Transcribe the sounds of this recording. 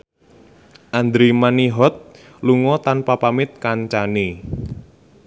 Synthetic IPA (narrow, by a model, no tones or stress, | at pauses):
ʔand̪ɾimaniɦɔt̪̚ | luŋɔt̪anpapamɪt̪̚kaɲt͡ʃane